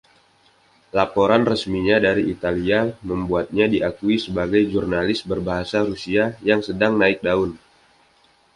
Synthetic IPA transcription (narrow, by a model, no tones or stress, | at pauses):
lapoɾanrəsmiɲadaɾiit̪aliaməmbuat̪̚ɲadiʔakuisəbaɡajd͡ʒurnalɪsbərbaɦasaɾusiajaŋsədaŋnaɪk̚daʊn